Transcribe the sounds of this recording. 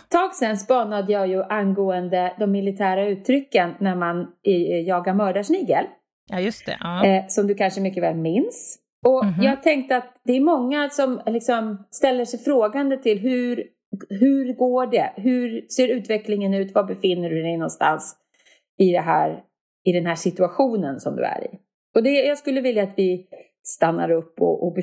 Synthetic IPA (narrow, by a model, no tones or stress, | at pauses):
t̪ʰɑːɡsɛnsbɑːnad̪əjɑːjɵʔanɡoːənd̪əd̪ɔmːɪlɪt̪ʰæːɾaʉ̟ːt̪ʰːɾʏkːənːæɾmanjɑːɡaɾmœːɖaʂnɪɡəl | t̪sɔmd̪ɵkʰanʂəmʏkːəvɛːlmɪns | ɔjɑːɡt̪ʰɛŋk̚t̪əat̪d̪ɛːɾmɔŋːasɔmlɪksɔmst̪ɛlːəʂɛjfɾoːɡand̪ət̪ʰɪlɦʉɾ | ɦɵɾɡoːɖɛɦʉ̟ɾseːɾʉ̟ːt̪vɛklɪŋənʉ̟ːt̪vabɛfɪnːəɖɵd̪ɛjnɔnst̪a̰ns | ɪd̪ɛɦæ̰ːɾ | ɪd̪ɛnɦæːʂɪt̪ɵaɧuːnənsɔmd̪ɵ̰æ̰ɾɪ̰ | ɔd̪ɛjɑːɡskɵlːəvɪljaːt̪vɪ | st̪anːa̰ɾɵpːɔ̰ʔɔbɛ